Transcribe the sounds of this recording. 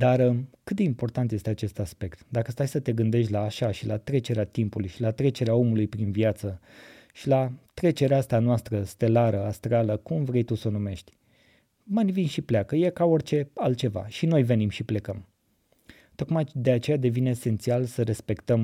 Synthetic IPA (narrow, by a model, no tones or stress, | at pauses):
d̪arkɨt̪̚d̪e̞impo̞rt̪ant̪je̞st̪eat͡ʃe̞st̪aspe̞kt̪d̪akəst̪ajsət̪e̞ɡɨnd̪e̞ʃ̬t̪ʲlaːʃaʃilat̪ɾe̞t͡ʃe̞ɾeat̪impulujʃilat̪ɾe̞t͡ʃe̞ɾeao̞mulujpɾinviat̪sə | ʃilat̪ɾe̞t͡ʃe̞ɾeast̪anoast̪ɾəst̪e̞laɾəast̪ɾaləkumvɾe̞jt̪usənume̞ʃt̪ʲ | manvinʃipleakəjekao̞rʲt͡ʃe̞alt̪̚t͡ʃe̞va̰ʃinojve̞nimʃiple̞kəm | t̪o̞kmajd̪e̞at͡ʃe̞jad̪e̞vineːse̞nt̪sialsəɾe̞spe̞kt̪əm